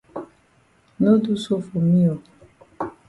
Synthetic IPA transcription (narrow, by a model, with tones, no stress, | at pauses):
no˦du˦so˦fo˨mi˦ɔ˨